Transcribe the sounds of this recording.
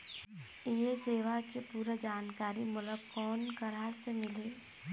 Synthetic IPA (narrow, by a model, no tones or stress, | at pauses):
jeseːʋakepuːɾəd͡ʒaːnkaːɾimʊləɡkɔːnkəɾasemɪleː